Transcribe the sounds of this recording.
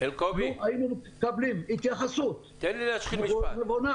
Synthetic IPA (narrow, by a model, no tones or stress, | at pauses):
elkobnuʔajinume | kablimit̪jaχasut̪t̪enlilaʃχimilevona